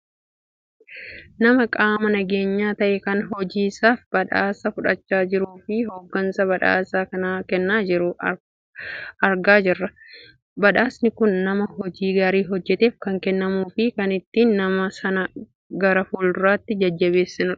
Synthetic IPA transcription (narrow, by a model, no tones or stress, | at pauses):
nɐmɐkʼaːmɐnɐɡeːɲːaːt̪ɐʔɛkɐnɦɔd͡ʒiːsaːfbɐᶑaːsɐfʊᶑɐt͡ʃːaːd͡ʒɪɾuːfɪɦoːɡːɐnsɐbɐᶑa̰ːsaːkɐnaːkɛnːaːd͡ʒɪɾʊ | ɐɾɡaːd͡ʒɪrːɐ | bɐᶑaːsnɪkʊnːɐmɐhɔd͡ʒiːɡaɾiːɦɔd͡ʒːɛt̪eːfkɐŋkɛnːɐmuːfɪkɐnɪt̪ːiːnːɐmɐsɐnɐ | ɡɐɾɐfuːld̪ʊɾaːt̪ːɪd͡ʒɐd͡ʒːɐβe̞ːsːɪnʊᶑ